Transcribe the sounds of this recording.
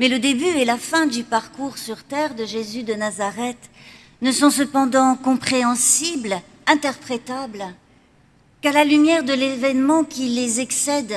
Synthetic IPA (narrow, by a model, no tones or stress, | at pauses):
mɛləd̪ebyɛlafɛ̃d̪ypaʁkuʁsyʁt̪ɛʁd̪əʒezyd̪ənazaʁɛt̪ | nəsɔ̃səpɑ̃d̪ɑ̃kɔ̃pχeɑ̃sibl | ɛ̃t̪ɛʁpχet̪abl | kalalymjɛʁd̪əlevɛnmɑ̃kʲilezɛksɛd̪